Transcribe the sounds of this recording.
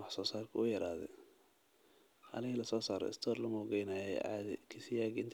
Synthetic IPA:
ɑħsɔːsaːrkʰɐʊjɐɾaːðɛ̰ | ʔɐ̰nɪɣilɐsɔːsaːɾɛ̰ɪ̰st̪ʰɔːrlɐmɔɡɛjnaːjɛ̰ʕa̰ðɪkʰɪsɪjaːɡɪnt̪ʰ

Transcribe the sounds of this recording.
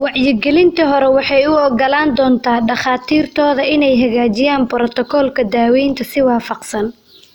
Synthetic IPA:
wɑʕjɪɡɛlɪnt̪ʰɐɦɔɾɛwɑħɑjʊɔɡɐlaːnd̪ɔːnt̪ʰaːɖɑχaːt̪ʰiːrt̪ʰɔːðɐʔɪnɛjɦɐɣaːt͡ʃɪjaːnbɾɔt̪ʰɔkʰɔːlkʰɐd̪aːwɛjnt̪ʰɐsɪwɑːfɑqsɐn

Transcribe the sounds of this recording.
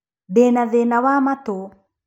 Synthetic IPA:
benaðenawamat̪o

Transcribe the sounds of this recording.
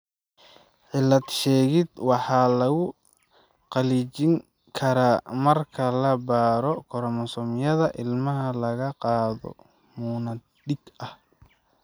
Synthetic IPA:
ʕɪlːɐd̪ʃɛːɣɪd̪wɑħɑːlɐɣʊ | qɑliːt͡ʃɪŋ | kʰɐɾaːmɐrkʰɐlɐbaːɾɔkʰɔɾmɔsɔmjɐðɐʔɪlmɐɦɐlɐɣɐqɑːðɔ̰ | muːnɐ | d̪ɪɡɐh

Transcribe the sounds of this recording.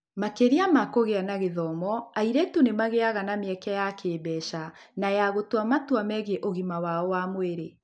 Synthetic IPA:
makeɾiamakoɣeanaɣeðɔmɔaiɾɛtonemaɣeaɣanameɛkɛjakʰeːbɛʃanajaɣotwamatwamɛɣeʔoɣimawaɔwamweɾe

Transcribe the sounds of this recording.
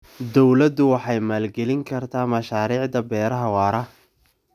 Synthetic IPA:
d̪ɔwlɐd̪ʊwɑħɑjmaːlɡɛlɪŋkʰɐrt̪ʰaːmɐʃaːɾiːʕd̪ɐbɛːɾɐɦɐwɑːɾɐ

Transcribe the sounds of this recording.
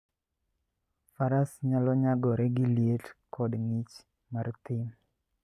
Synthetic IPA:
faɾasɲalɔɲaɡɔɾɛɡɪljetkʰɔdŋit͡ʃ | mart̪ɪm

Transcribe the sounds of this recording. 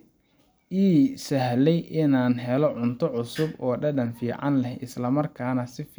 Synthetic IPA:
ʔiːsɐhlɛjʔɪnaːnɦɛlɔʕʊnt̪ʰɔʕʊsʊbɔːɖɐɖɐnfiːʕɑnlɛhɪslɐmɐrkʰaːnɐsɪf

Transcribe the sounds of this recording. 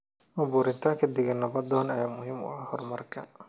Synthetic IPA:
mɐbuːɾɪnt̪ʰaːŋkʰɐd̪ɪɣɐnːɐbɐd̪ɔːnɐjaːmʊɦiːmʊ̰ɐhɔrmɐrkʰɐ

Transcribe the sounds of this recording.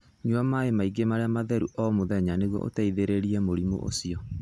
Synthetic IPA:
ɲuamaemaiɡemaɾeamaðɛɾuʔɔmoðɛɲaneɣwɔ̰ʔo̰taiðeɾeɾiɛmoɾimo̰ʔo̰siɔ

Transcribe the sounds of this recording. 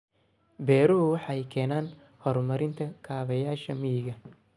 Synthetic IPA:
bɛːɾʊwɑħɑɛjkʰɛːnaːn | hɔrmɐɾɪnt̪ʰɐkʰaːβɐjaːʃɐmɪjɪɣɐ

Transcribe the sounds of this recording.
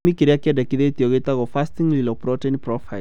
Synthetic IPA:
mikiɾiakiɛdakiðet̪ɔɡet̪aɣɔfastiŋlilɔpɾɔtɛnipɾɔfaj

